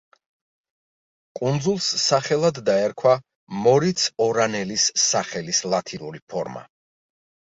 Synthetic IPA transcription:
kʼund̪zulˠsːaχɛlˠad̪ːaɛɾkʰwa | mɔɾit̪sʰɔɾanɛlisːaχɛlislˠat̪ʰinuɾipʰɔɾma̰

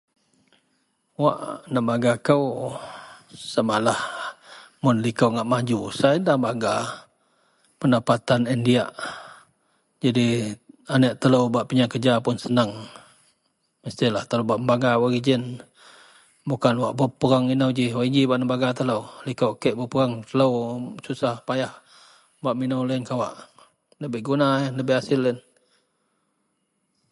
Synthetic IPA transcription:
wa̰ʔnəmbaɡakəw | samalah | mʊnlikəwŋaʔmad͡ʒusajndahmbaɡa | pəndapat̪anindiaʔ | d͡ʒadianəʔt̪ələwbaʔpiɲakəd͡ʒapʊnsənaŋ | məst̪ɪlaht̪əlobaʔəmbaɡawaɾid͡ʒɪn | bukanwaʔbəpəɾaŋinəwd͡ʒiwaʔid͡ʒibaʔnəmbaɡat̪ələwlikowʔkəʔbəpəɾaŋt̪ələwsusahpajah | baʔminəwlənkawaʔ | ləbɪhɡunaləbɪhasɪlːən

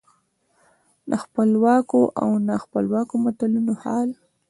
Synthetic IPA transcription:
naxpəlwɑkoʔa̰wnaxpəlwɑkomat̪alunohɑl

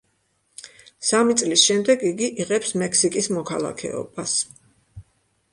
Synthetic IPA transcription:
samit̪sʼlisʃɛmd̪ɛɡiɡiʔiʁɛpsmɛksikʼismɔkʰalˠa̰kʰɛ̰ɔ̰bas

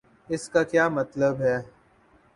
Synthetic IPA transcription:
ɪskakjaːmɐt̪ləbɦɛː

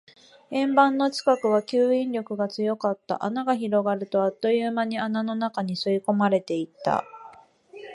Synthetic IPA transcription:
ẽ̞mbãnːo̞t͡ɕi̥kakɯ̟β̞akʲɨːĩnɾʲo̞kɯ̟ɡat͡sɨjo̞kat̪ːa̰ʔanaɡaçiɾo̞ɡaɾɯ̟t̪o̞at̪ːo̞jɯːmaɲ̟ianano̞nakaɲ̟isɨiko̞maɾe̞t̪e̞it̪ːa̰

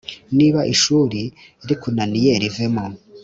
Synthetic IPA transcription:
niːβaʔiʃuːɾi | ɾikunanijeɾivemo

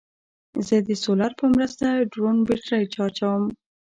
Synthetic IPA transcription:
zəd̪əsolaɾpəmɾəst̪aɖɾonbeʈɾajt͡ʃɑt͡ʃawəm

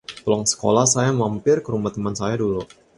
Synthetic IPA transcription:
pəlɔŋsə̥ko̰lahsajamampɪrkəɾumaht̪əmansajadulu

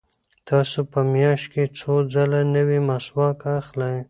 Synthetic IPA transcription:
t̪ɑːsupəmjɑʃ̚ket͡sʰod͡zalanəwimaswɑkaxlaj

